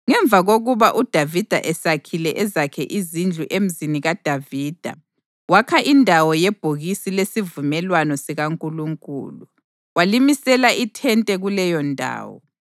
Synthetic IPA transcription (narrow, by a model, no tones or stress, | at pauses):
ŋɛɱbvʱaɣoɣuβaʔud̥ʱavid̥ʱa̰ʔɛsakʰilɛʔɛzakʰɛʔizind͡ɮʱuʔem̩ziniɣad̥ʱaviːd̥ʱa̰ | wakʰaʔindʱawɔjɛb̥ʱoɣisilesivumɛlwanɔsiɣaŋkʼuluŋkʼṵːlu | walimisɛlaʔitʰɛntʼɛɣulɛjɔndʱa̰ːwɔ̰